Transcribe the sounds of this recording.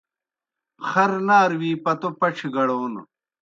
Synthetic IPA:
χɐɾnaːɾwiːpɐt̪opɐʈ͡ʂʰiɡɐɽoːn̰

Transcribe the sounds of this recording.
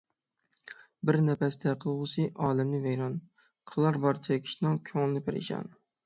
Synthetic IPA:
bɪɾnɛpɛsd̪ɛqʰəlˠʁʊsɨʔɑːlɛmlɪvɛjɾɑn | qʰəlˠɑɾbɑɾt͡ʃʰɛkʲʰi̥ʃnɪŋkʲʰøŋlˠɪnɪpeɾɪ̰ʃɑ̰n

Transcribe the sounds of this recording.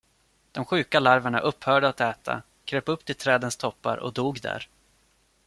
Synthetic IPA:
d̪̥ɔmɧʉ̟ːkalaɾvaɳa̰ʔɵphœːɖəat̪ɛːt̪ʰa̰ | kʰɾeːpɵpːt̪ʰɪlt̪ʰɾɛːd̪ənst̪ʰɔpːa̰ɾɔ̰d̪uːɡd̪æ̰ɾ

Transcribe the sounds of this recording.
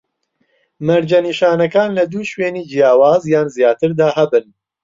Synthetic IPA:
mɐɾd͡ʒɐniːʃaːnɐkaːnlɐd̪uːʃweːniːd͡ʒijaːwaːzjaːnzjaːt̪ɨɾd̪aːɦɐbɨn

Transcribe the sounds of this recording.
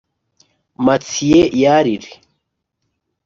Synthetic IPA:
mat͡sʰijɛjaɾiɾi

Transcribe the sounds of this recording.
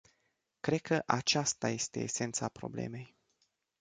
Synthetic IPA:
kɾe̞d̪̚kʰəʔat͡ʃast̪aje̞st̪e̞̰ːse̞nt̪sapɾo̞̰ble̞̰me̞j

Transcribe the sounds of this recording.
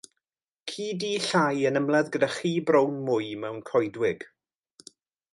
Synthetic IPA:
kʰiːdiːɬajənəmlˠaðɡədaχiːbrownmʊjmɛwnkʰɔjdwɪɡ̥

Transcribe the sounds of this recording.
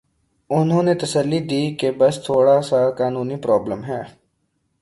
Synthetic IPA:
ʊnɦõːnet̪əsəlːid̪iːkebəst̪ʰoːɽasakaːnuːnipɾɔːbləmɦɛː

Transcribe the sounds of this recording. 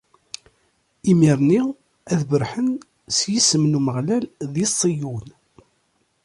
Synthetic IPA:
imiɾˤni | æðbəɾħən | sjisəmnuməʁlælðisˤːijun

